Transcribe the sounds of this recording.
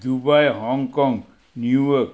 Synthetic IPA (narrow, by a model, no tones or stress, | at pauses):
d̪ubajɦɔŋkɔ̃ŋɡ | njujɔk